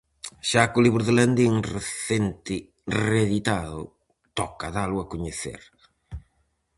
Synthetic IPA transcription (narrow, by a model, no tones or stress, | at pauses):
ʃakʊliβɾʊðeland̪iŋreθent̪ɪ | reðit̪aðʊ̰ | t̪ɔkaðalʊakuɲeθḛɾ